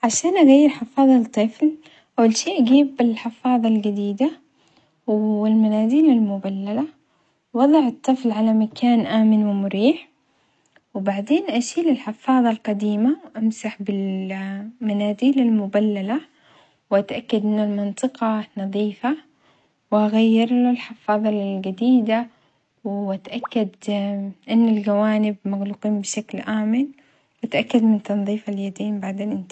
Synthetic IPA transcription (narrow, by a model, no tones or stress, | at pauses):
ʕaʃaːnʔaɣajːɪɾħɪfɑːðˤɑt̪ˤːɨfl | ʔawːalʃeːʔaɡiːbɪlħɪfɑːðˤɑlɡad̪iːd̪a | wɪlmanaːziːlalmʊbalːala | wɑðˤɑʕɨt̪ˤːɨflʕalamakʰaːnʔaːmɪnwɪmʊɾiːħ | wbaʕd̪eːnʔaʃiːlɪlħɪfɑːðˤɑlqɑd̪iːmawʔamsaħbɪl | manaːd̪iːlalmʊbalːala | wʔat̪ʔakːad̪ʔɪnːalmɨnt̪ˤɨqɑnɑðˤiːfa | wʔaɣajːɪɾlalħɪfɑːðˤɑlɡad̪iːd̪a | wʔat̪ʔakːad̪ʔɪnːalɡawaːnɪbmaɣluːqiːmbɪʃaklʔaːmɪn | wʔat̪ʔakːad̪mɪnt̪ɑnðˤiːfaljad̪iːmbaʕd̪eːnʔɪnt̪